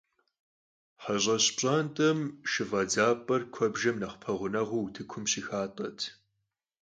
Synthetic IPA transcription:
ħaʑʼɐɕpɕʼaːntʼɐmʃɨvɐd͡zaːpʼɐrkʷʰɔbʒɐmnɐχpʰɐʁʷʊnɐʁʷuwtʰɨkʷʰʊmɕixaːtʼɐtʰ

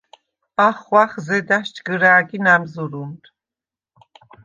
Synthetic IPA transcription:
aχwaχzɛd̪aʃt͡ʃɡəɾaːɡinamzuɾunt̪ʰ

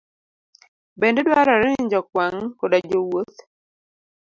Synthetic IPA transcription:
bendedwaɾɔɾɪɪɲd͡ʒɔkwaŋkodad͡ʒowot̪

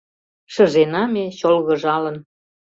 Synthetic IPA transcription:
ʃə̆ʒenɑmet͡ɕolɣɤ̆ʒɑlə̆n

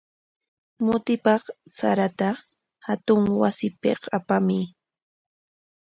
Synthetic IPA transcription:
mʊt̪ɪpɑχsa̰ɾat̪a | hat̪ʊŋwasɪpɪ̰qapamɪ

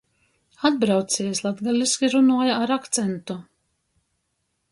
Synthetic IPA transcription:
ad̪̚bɾawt̪siɛslˠad̪ɡalʲiskʲiɾunuɔjaaɾakt̪sɛnt̪u

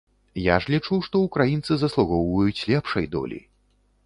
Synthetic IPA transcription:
jaʐlʲit͡ʂuwʂt̪ɔukɾajint̪sɨzɐslˠuɣɔwvɐjut͡sʲlʲɛpʂɐjd̪ɔ̰lʲḭ

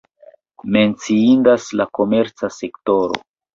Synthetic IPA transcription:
me̞nt͡siinɡaslako̞me̞ɾt͡sase̞kto̞ɾo̞̰

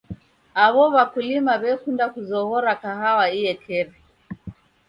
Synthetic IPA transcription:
aβɔβakulimaβɛkundakuzɔɣɔɾakaɦawaiɛkʰɛɾɛ

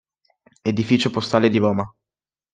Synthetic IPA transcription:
ed̪ifiːt͡ʃopost̪aːled̪ibɔːma

